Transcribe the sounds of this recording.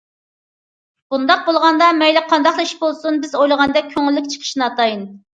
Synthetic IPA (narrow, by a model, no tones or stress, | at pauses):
b̥und̪ɑq̚bolˠʁɑnd̪ɑmɛjlɪqʰɑnd̪ɑχlˠɨiʃbolˠsunbɪzojlˠəʁɑnd̪ɛk̚ʲkʲʰːøŋɪlːɪkʲt͡ʃʰə̥qʰə̥ʃnɨɑt̪ʰɑjin